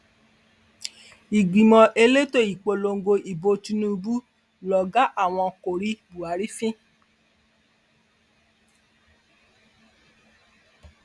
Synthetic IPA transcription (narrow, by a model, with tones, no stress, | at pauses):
i˨ɡ͡bi˨mɔ̃˧ʔe˧le˦to˦˨i˨k͡po˧lo˧ŋ̩˦ɡo˧ʔi˨bo˧ti˧nũ˦˧bu˦ | lɔ˨ɡa˦ʔa˦˨w̃ɔ̃˧ko˨ɾi˨˦bu˨a˨˦ɾi˦fĩ˦